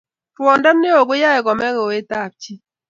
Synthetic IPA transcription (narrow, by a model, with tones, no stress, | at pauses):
twɔ˨nda˦mne˦o˨ɡʊ˦ja˦ɛ˨ɡɔ˨mɛ˦ɡo˨we˦t̪a˦˨p̚t͡ʃi˦